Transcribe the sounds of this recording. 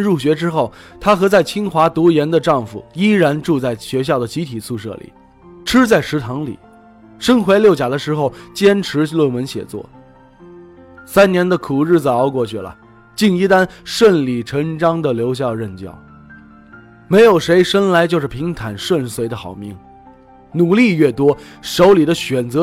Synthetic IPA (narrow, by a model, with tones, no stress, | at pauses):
ɻu˥˩ɕɥɛ˧˥ʈ͡ʂɻ̩˥xo˥˩ʊt̪ʰa˥xɤ˧˥t͡sa˥˩ɪt͡ɕʰi˥ŋxwa˧˥t̪u˧˥jɛ˧˥nd̪ə˧ʈ͡ʂɑ˥˩ŋfṵ˨˩i˥ɻa˧˥nʈ͡ʂu˥˧t͡sa˥˩ɪɕɥɛ˧˥ɕ̬jɑ˥˩ʊd̪ə˩t͡ɕi˧˥t̪ʰi˨˩t͡sʰu˥˧ʂɤ̰˥˩lḭ˨˩˦ | ʈ͡ʂʰɻ̩˥t͡sa˥˩ɪʂɻ̩˧˥t̪ʰɑ˧˥ŋlḭ˨˩˦ | ʂə˥nxwe˧˥ɪljo˥˩ʊt͡ɕja˨˩d̪ə˦ʂɻ̩˧˥xo˥˧ʊt͡ɕjɛ˥nʈ͡ʂʰɻ̩˧˥lwə˥˩nwə˧˥nɕjɛ̰˨˩t͡swɔ̰˥˩ | sa˥nnjɛ˧˥nd̪ə˧kʰu˨˩ɻɻ̩˥˩t͡sa˨˩ɑ˧˥ʊkwɔ˥˧t͡ɕʰy˥˩lə̰˩ | t͡ɕi˥˩ŋi˧˥t̪a˥nʂwə˥˩nli˨˩ʈ͡ʂʰɤ˧˥ŋʈ͡ʂɑ˥ŋd̪ə˨ljo˧˥ʊɕ̬jɑ˥˧ʊɻə˥˩nt͡ɕjɑ̰˥˩ʊ | me˧˥ɪjo˨˩ʊʂe˧˥ɪʂə˥nla˧˥ɪt͡ɕjo˥˧ʊʂɻ̩˥˩pʰi˧˥ŋt̪ʰa˨˩nʂwə˥˩nswe˧˥ɪd̪ə˧xɑ˨˩ʊmi˧˥ŋ | nu˨˩li˥˧ɥɛ˥˩t̪wɔ˥ʂo˧˥ʊli˨˩d̪ə˦ɕɥɛ˨˩nt͡sɤ˧˥